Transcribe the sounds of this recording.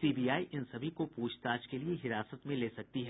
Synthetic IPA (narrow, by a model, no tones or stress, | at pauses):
siːbiːaːiʔɪnsɐbʱikopuːt͡ʃt̪aːd͡ʒkelieɦɪɾaːsət̪mẽleːsɐk̚t̪iɦɛː